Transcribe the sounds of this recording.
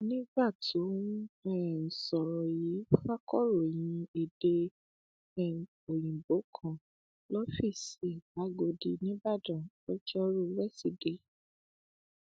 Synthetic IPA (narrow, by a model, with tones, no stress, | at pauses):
nĩ˦ba˦˨tũ˨˦ɛ˦˨n̩˨sɔ˨ɾɔ˨ji˨˦fa˦kɔ˦˨ɾo˨j̃ĩ˧e˨de˧ | ɛ˨ | o˨j̃ĩ˨bo˨˦kʰã˨ | lɔ˦fi˦˨se˨ba˨˦ɡo˧di˧nĩ˦ba˦˨dã˨ | ɔ˦t͡ʃɛ˦ɔ˦ɾo˦˨˦ɾɛ˦˨si˨de˨˦